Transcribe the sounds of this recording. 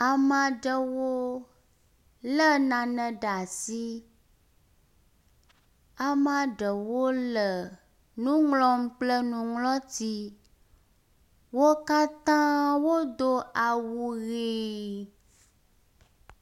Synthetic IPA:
a˨mã˨ɖə˨wo˦ | lə˦nã˨nɛ̃˨ɖa˨si˦ | a˨mã˨ɖə˨wo˦lə˨ | nũ˦ŋlɔ˦m˦k͡plə˦nũ˨ŋlɔ̃˦t̪i˦ | wo˦ka˦t̪ã˦wo˦d̪o˦a˨wu˨ɣe˨

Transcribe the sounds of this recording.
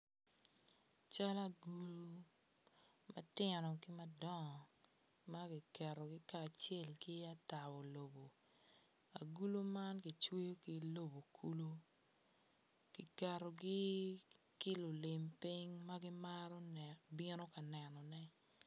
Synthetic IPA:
t͡ʃa˦la˦ɡu˨lo˦ | mɐ̰˦tɪ˦nɔ˨kɪ˦ma˦dɔ˦ŋɔ˨ | ma˦ki˨kɛ˨ro˨ɡɪ˦kaː˨t͡ʃe˦˨lkɪ˦a˦ta˨wo˨lo˨bo˨ | a̰˨ɡu˦lo˦ma˦nki˨t͡ʃwe˦jo˦ki˨lo˦bo˨kʰu˦lo˦ | kɪ˨kɛ˨ɾo˨ɡɪ˦ | kɪ˦lʊ˨lɪ˨mpi˦ŋma˦ɡɪ˦ma˦ɾɔ˦bɪ˦nɔ˦ka˨nɛ˨nɔ˨nɛ˦

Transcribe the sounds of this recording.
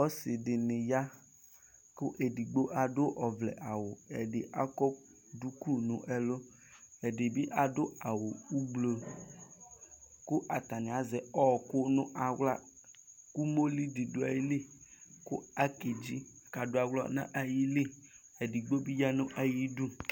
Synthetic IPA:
ɔ˦sɪ˨dɪ˨nɪ̃˨ja˦ | kʊ˦ʔe˨di˨ɡ͡bo˦ʔa˨dʊ˦ʔɔ˨vlɛ̰˨ʔa˨wo˨e˨ɖɪ˨ʔa˦kɔ˦ | du˦ku˦nʊ̰̃˨ʔɛ˦lo˦ | e˨de˨bi˦ʔa˨do˦a˨wo˨u˦ɡ͡blo˨ | kʊ˦ʔa˨t̪a˨nẽ˨a˨zɛ˨ɔ˦˨kʊ˦nʊ̃˦ʔa˨wla̰˦ | ku˦mo˦li˦di˨do˦a̰˨ji˦li˦kʊ̰˦a˦ke˨d͡ʒi˦˨ka˨do˦a˨wlɔ̰˦nã̰˦ʔa˨ji˦li˦ | e˨di˨ɡ͡bo˦bi˦ja˦nʊ̃˦ʔa˨ji˦du˦

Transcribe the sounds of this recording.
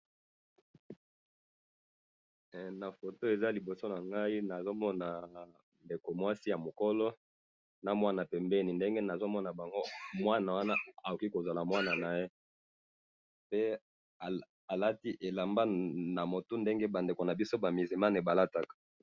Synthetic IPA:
na˨fo˨to˦e˨za˦li˨bo˨so˦na˨ŋɡa˦i˦na˨zo˦mɔ˦na˨ | nde˨ko˨mwa˦si˦ja˨mo˨ko˦lɔ˦ | na˨mwa˦na˨pɛ˨mbɛ˦ni˨nde˦ŋɡe˦na˨zo˦mɔ˦na˨ba˨ŋɡo˦mwa˦na˨wa˦na˦a˨o˨ki˦ko˨za˨la˨mwa˦na˨na˨je˦ | pe˦˨ | a˨la˦ti˦ʔe˨la˨mba˦na˨mo˨tu˦nde˦ŋɡe˦ba˨nde˨ko˨na˨bi˦so˦ba˨mi˨zi˨ma˦ne˨ba˨la˦ta˦kḁ˨

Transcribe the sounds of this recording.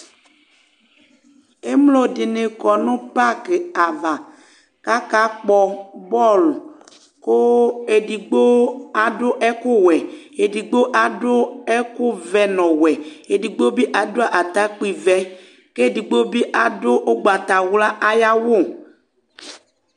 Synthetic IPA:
e˦mlo˦de˨ne˨kɔ˨nõ˦pa˦ke˨a˨va˨ | ka˦ka˦k͡pɔ˦˨bɔ˦˨lo˨ | ko˦e˨ɖi˨ɡ͡bo˦a˨ɖʊ˦ʔɛ˦ku˦wɛ˨e˨di˨ɡ͡bo˦ʔa˨ɖʊ˦ɛ˦ku˦vɛ˦nɔ̃˨wɛ˨e˨ɖi˨ɡ͡bo˦bi˦ʔa˨do˦a˨ʔa˨t̪a˦k͡pi˦vɛ˦ | ke˦˨di˨ɡ͡bo˦bi˦ʔa˨do˦ʔo˦ɡ͡ba˨t̪a˨wu˦la˦ʔa˦ja˦wo˦˨

